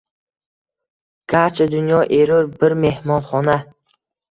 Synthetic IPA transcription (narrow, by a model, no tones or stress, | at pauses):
ɡ̥aɾt͡ʃʰad̪ʊnjɒʔeɾʊɾbɪɾme̞hmɒnχɒna